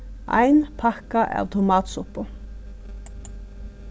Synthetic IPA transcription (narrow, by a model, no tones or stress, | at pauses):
ʔæ̰ɪnpʰɑkɑʔɑ̰ːʋt̪ʰʊmɑːt̪sʊpʊ